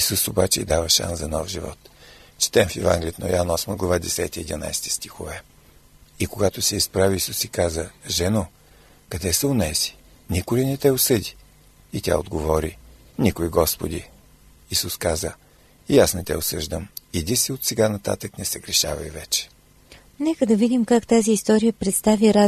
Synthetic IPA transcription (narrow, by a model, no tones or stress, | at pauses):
isusobat͡ʃɛḭd̪avəʃa̰nszɐnɔfʒivɔ̰t̪t͡ʃɛ̥t̪ɛmfɛva̰ŋɡlʲiət̪no̰janɔsməɡlˠɐvad̪ɛsɛt̪iid̪ina̰jsɛ̥t̪i̥st̪ixovɛ | ikoɡat̪osɛispɾaviːsusikazəʒɛno | kɐd̪ɛsəonɛzi̥ | nikʊlinɛt̪ɛosɤd̪ʲiː | t̪ʲa̰od̪ɡovɔɾinʲikoiɡɔspod̪iː | suskazə | iasnɛt̪ɛ̰osɤʒd̪əmid̪isiot̪sɛɡanɐt̪a̰t̪əknɛsɛɡɾɛʃa̰vɐ̰ivɛt͡ʃɛ̥ | nɛkəd̪ɐvid̪ʲimkakt̪aziːst̪ɔɾijəpɾɛt̪st̪aviɾa